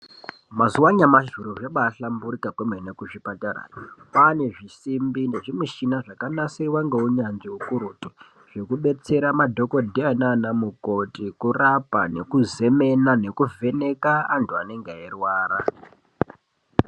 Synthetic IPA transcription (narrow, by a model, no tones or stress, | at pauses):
mazuwaɲamaʒuɾuʐaɓaɬambuɾikakwemenekuʐipatara̰pane̞ʐisimbindeʐimuʃinaʐakanasiwaŋɡeuɲanʐiukuɾoti | ʐ̥e̞kuɓe̞t͡se̞ɾamadʱo̞ko̞dʱiananamuko̞tikurapa̰ne̞kuze̞me̞nane̞kuvʱe̞ne̞kaːntuane̞ŋɡeerwaːɾa